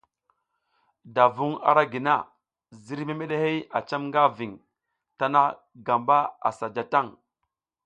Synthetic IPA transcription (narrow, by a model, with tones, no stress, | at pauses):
da˨vu˦ŋa̰˨ɾa˦ɡi˨na˦ | zi˦ɾme˦me˦ɗe˦he˦ja̰˨t͡ʃa˦mŋɡa˦vi˨ŋ | ta˦na˦ | ɡa˨mba˦a̰˨sa˨d͡ʒa˨ta˦˨ŋ